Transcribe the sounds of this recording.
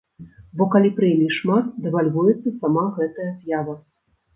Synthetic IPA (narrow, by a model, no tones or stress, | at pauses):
bɔkalʲipɾɨjlʲiʂmat̪d̪ɛvalʲvujɛt̪sːɐsamaɣɛt̪ɐjɐzjavɐ